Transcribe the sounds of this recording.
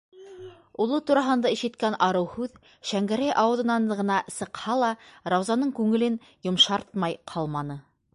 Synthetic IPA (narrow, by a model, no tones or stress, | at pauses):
ulˠɤt̪uɾɑɦɤ̆nd̪ɑiʃɘ̆t̪kænʔɑɾɤwhʉð | ʃæŋɡæɾæjʔɑwɤ̆ðɤ̆nɑnʁɤ̆nɑsɤ̆qhɑlˠɑɾɑwzɑnɤɴkʉŋɘ̆lɘn | jŏmʃɑɾt̪̚mɑjqʰɑlˠmɑnɤ